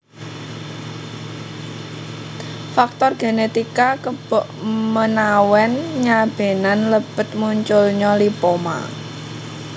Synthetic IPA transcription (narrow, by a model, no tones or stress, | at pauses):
fak̚t̪ɔrɡ̥e̤net̪ikakəbʔmənawɛnɲab̥e̤nanləb̥ət̪̚muɲt͡ʃʊlɲɔlipoma̰